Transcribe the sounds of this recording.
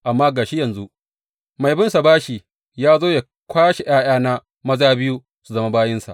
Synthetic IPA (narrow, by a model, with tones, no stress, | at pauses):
ʔa˨mːaː˦ɡaː˨ʃi˦jɐ˨nzu˦ | ma˨jbɪ˦nsa˨baː˦ʃi˨ | jaː˦zoː˦ja˨ | kʷaː˦ʃe˨j̰aː˦j̰aː˦na˦ | mɐ˦zaː˦bɪ˦ju˦ | su˨zɐ˦ma˦baː˦jɪ˦nsa̰˨ʔ